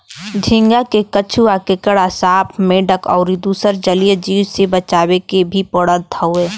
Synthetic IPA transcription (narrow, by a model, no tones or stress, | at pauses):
d̪ʱɪ̃ŋɡakekət͡ʃʰuakekəɽasaːpʰmẽɖəkɔ̰ːɾid̪uːsəɾd͡ʒəlijəd͡ʒiːwsebət͡ʃaːwekebʱipɔɽət̪ʰəueː